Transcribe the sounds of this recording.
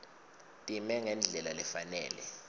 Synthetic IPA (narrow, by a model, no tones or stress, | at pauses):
tʼimɛŋɛnd͡ɮʱɛlalɛfanɛːlɛ